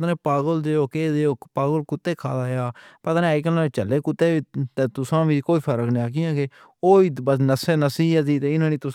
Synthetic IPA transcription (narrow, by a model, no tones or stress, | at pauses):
t̪aːnẽːpaːɡəld̪eːoːkeːd̪eoːpaːɡəlkʊt̪ːeːkʰa̰ːd̪aːjaːpət̪aːneːkəlãːt͡ʃəlːeːkʊt̪ːeːiːt̪eːt̪ʊsãːʋiːkoːiːpʰəɾəkneaːk̬ɪjãːkeː | oːiːbəsnəseːnəsiːd̪iːt̪eːɪnãːnĩːt̪ʊ